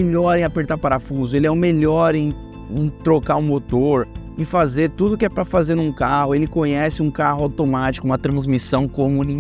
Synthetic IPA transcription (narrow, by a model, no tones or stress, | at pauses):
eʎɔɾẽapeɾt̪apaɾafuzʊelɪɛʊmeʎɔɾẽj̃ | t̪ɾokaʊ̃mot̪oɾ | ẽfazeɾt̪ud̪ʊkɪɛpɾɐfazeɾnũkahʊelɪkõɲɛsɪũkahʊawt̪omat͡ʃi̥kʊũmɐt̪ɾɐ̃zmisɐ̃w̃kõmʊ̃nĩ